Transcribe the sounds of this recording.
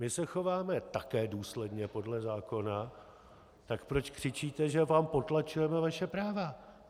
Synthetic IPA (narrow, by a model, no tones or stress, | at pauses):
mɪsɛxo̞vaːmɛt̪akɛːduːslɛdɲɛpo̞dlɛzaːko̞na | t̪akpɾo̞t͡ʃkr̝̥ɪt͡ʃiːt̪ɛʒɛvaːmpo̞t̪lat͡ʃujɛmɛvaʃɛpɾaːva